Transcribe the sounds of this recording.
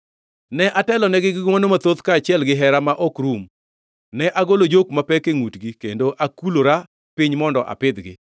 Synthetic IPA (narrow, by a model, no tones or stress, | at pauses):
nɛʔatɛlɔnɛɡɪɡɪɡmɔnomat̪oðkaːt͡ʃɪɛlɡɪɦɛɾamaʔɔkɾum | nɛʔaɡolod͡ʒok̚mapɛkeŋutɡikendoʔakuloɾa | pɪɲmɔndɔʔa̰pɪd̪ɡɪ̰